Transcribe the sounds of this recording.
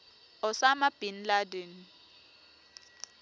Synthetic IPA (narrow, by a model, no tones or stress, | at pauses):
ɔsamab̥ʱinladen